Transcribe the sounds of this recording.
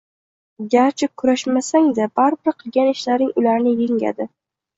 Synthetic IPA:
ɡʲaɾt͡ʃʰɪkʰʊɾaʃmasaŋd̪abaɾbɪɾqʰɨlˠɡʲanɪʃlaɾnɪŋʊlaɾnɪjeŋʲa̰d̪ɪ

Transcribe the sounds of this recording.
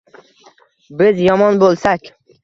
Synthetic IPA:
bɪzjɒmɒnbolˠsakʲ

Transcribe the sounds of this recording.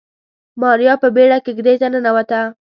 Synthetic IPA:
mɑɾjɑpəbeɽakeɡd̪et̪anənawat̪a

